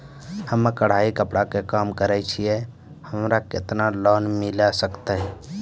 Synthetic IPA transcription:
həmkəɽ̤aːikəpɽakekaːmkəɾɛt͡ʃʰije | həmɾakḛt̪nalɔːnmɪlasəkt̪aɦɛ

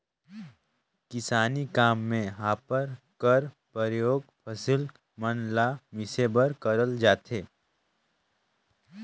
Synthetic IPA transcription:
kɪsaːnikaːmːẽɦaːpəɾkəɾ | pəɾjoːɡpʰɐsɪl | mənlamɪsebəɾkɐɾəld͡ʒaːt̪ʰeː

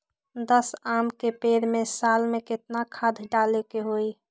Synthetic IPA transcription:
d̪əsaːmkepeɾmesaːlmekɪt̪nakʰad̪ʱɖalekeɦoi

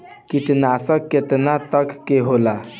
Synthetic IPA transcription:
kiʈnasəkkːet̪nat̪əkːeɦola

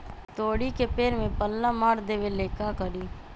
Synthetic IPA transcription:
t̪oːɽikepeːɾmẽpəlːamaːɽd̪eːʋeleːkakəɾiː

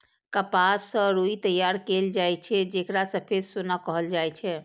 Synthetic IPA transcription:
kəpasːə̃ɾuit̪əjaɾkeld͡ʒajt͡ʃʰɛd͡ʒekɾasəpʰesonakəɦəld͡ʒajt͡ʃʰɛ

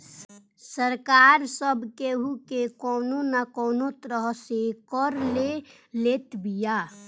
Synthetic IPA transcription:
səɾkaːɾsəbʱkeɦukekɔːnonakɔːnot̪ɾəɦsekəɾle | let̪bija

